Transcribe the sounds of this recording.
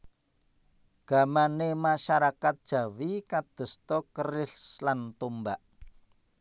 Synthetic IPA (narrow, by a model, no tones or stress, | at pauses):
ɡ̥a̤manemaʃaɾakat̪̚d̥ʒ̥ä̤wikad̪̥ə̤st̪ɔkərɪɬlant̪umbaʔ